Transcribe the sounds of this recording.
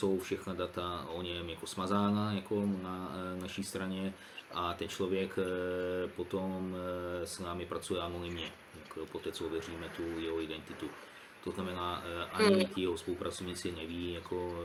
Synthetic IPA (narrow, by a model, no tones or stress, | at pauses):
so̞wfʃɛxnadat̪aʔoɲɛmjakosmazaːnajako̞nanaʃiːst̪ɾaɲɛ | ʔat̪ɛnt͡ʃlo̞vjɛk | po̞t̪o̞msnaːmɪpɾat͡sujɛanonɪmɲɛ | jakpo̞t̪ɛːt͡soovjɛr̝iːmɛt̪ujɛɦoɪdɛnt̪ɪt̪u | t̪oznamɛnaːʔaɲɪcɪjɛɦospolupɾat͡sovɲiːt͡sɪnɛviːjakʰo̞